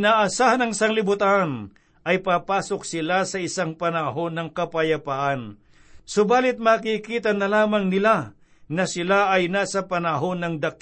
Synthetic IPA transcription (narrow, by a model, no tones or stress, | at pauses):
naːʔɐsaːhɐnɐŋɪsɐŋlɪbʊt̪an | ʔɐjpaːpaːso̞k̚sɪlasɐɪsaŋpɐnɐɦo̞nːɐŋkɐpɐjɐpaʔan | sobaːlɪt̪̚maːkikiːt̪ɐnɐlaːmɐŋnɪla | nɐsɪlaɐjnaːsɐpɐnɐɦo̞nːɐŋd̪ɐk